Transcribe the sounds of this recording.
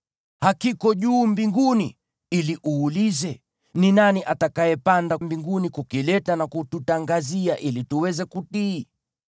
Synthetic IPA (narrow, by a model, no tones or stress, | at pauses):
hakikɔʄuːmbiŋɡunḭ | iliʔuːlizɛ | ninaniʔatakajɛpandambiŋɡunikukilɛtanakututaŋɡaziaʔilituwɛzɛkutiː